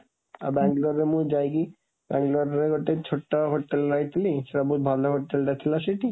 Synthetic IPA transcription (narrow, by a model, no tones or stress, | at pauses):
a̰bɛŋɡloɾemuɾd͡ʑajki | bɛŋɡlaɾɾeɡʱoʈːet͡ɕʰoʈːaɦoʈːelɾajt̪ʰiliʃeɾabʱud̪̚bʱand̪aɦoʈːelɖat̪ʰilaʃeʈi